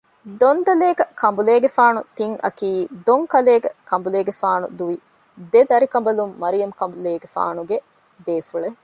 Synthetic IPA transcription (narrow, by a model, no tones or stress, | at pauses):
d̪ond̪ɐleːɡɐkʰɐmbuleːɡefaːnut̪iŋɐ̰kiːd̪oŋkɐleːɡɐkɐmbuleːɡefaːnṵd̪uʋi | d̪ed̪ɐɾikɐmbɐlumːɐɾijɐmkɐmbuleːɡefa̰ːnuɡe | beːfuɭe